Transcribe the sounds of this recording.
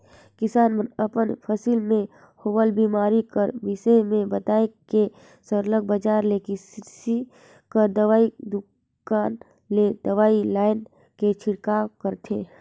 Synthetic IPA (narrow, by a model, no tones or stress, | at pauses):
kɪsaːnmənəpənpʰəsiːlmẽ | hoʋəlbiːmaːɾikəɾbɪsemẽbət̪aːeke | səɾləɡ̚bəd͡ʒaːɾlekɪsisi | kəɾd̪əʋaːid̪ʊ | kaːn | led̪̥əʋaːilaːɪn | ket͡ʃʰɪɽkakəɾt̪ʰeː